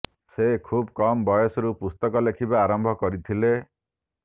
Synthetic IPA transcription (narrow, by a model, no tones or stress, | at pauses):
sekʰubkɔmɔbɔjɔsɔɾupust̪ɔkɔlekʰibaaɾɔmbʱɔkɔɾit̪ʰile